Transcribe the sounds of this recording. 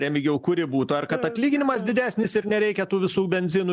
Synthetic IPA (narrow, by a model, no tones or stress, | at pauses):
ɾʲɛmʲɪɡʲɛʊkʊɾʲɪbuːt̪ʊɐrkɐt̪ɐt̪ʲlʲiːɡʲɪnʲɪmɐs̬d̪ʲɪd̪ʲæːsʲnʲɪsɪɾnʲɛɾʲɛɪkʲɛt̪uːʋʲɪsuːbʲɛnʲzʲɪnu